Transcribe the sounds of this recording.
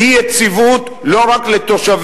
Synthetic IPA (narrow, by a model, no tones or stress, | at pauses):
ijet͡sivut̪ | lo̞ʁaklet̪oʃav